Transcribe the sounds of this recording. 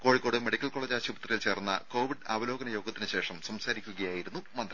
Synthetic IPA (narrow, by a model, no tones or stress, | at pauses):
ko̞ːɻikːo̞ːɽɨme̞ɽikʲːɐlko̞ːɭeːd͡ʑaːɕubɐt̪rɐjilt͡ɕe̞ːrunːɐ̰ko̞ːʋiɖaːʋɐlo̞ːɡɐnɐjo̞ːɡɐt̪ːinɨɕe̞ːʂɐmsɐmsaːɾikʲːuɣɐjaːjiɾunːumɐnd̪rɐ